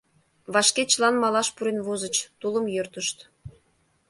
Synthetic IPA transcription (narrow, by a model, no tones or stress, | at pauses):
βɑʃket͡ɕlˠɑnmɑlˠɑʃpuɾenvozə̆t͡ɕt̪ulˠə̆mjørt̪əʃt̪